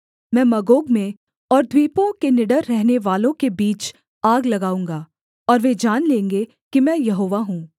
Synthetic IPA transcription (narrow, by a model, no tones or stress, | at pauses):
mɛ̃ːmɐɡoːɡmẽ | ɔːɾd̪ʱwiːpõkenɪɖəɾːɛɦneʋaːlõkebiːt͡ʃ | aːɡlɐɡaːũːŋɡaː | ɔːɾʋed͡ʒaːnlẽːŋɡe | kimɛ̃ːjɐɦoːʋaɦũː